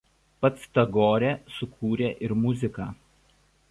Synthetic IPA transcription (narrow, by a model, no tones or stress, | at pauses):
pɐt̪st̪ɐɡoːɾʲɛːsʊkʰuːɾʲeːʔɪɾmʊzʲɪkɑː